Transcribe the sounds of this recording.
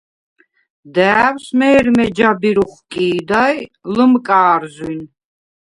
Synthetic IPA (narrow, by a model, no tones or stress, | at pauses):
d̪æːwsmɛːɾmɛd͡ʒabiɾuχkʼiːd̪ajləmkʼaːɾzwin